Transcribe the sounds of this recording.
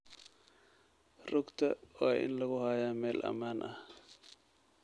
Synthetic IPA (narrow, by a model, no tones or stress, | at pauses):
rʊɡt̪ʰɐwaːʔɪ̰nlɐɣʊhaːjaːmɛːlʔɐ̰maːnʔɐh